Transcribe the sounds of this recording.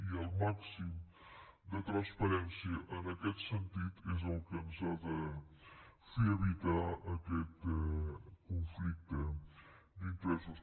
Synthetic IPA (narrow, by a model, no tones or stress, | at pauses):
ialˠmaksim | d̪ət̪ɾanspɐɾɛnsijəʔənəkɛt̪sənt̪it̪ʰɪz̬olkənzat̪ə | fiɐβit̪ɾaʔəkɛt̪əkonflik̚t̪ə | d̪int̪ɾɛso